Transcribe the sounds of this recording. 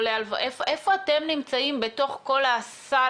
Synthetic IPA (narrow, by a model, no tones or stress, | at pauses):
lealvʔefʔe̞fo̞ate̞mnimt͡saimbe̞to̞χko̞lasa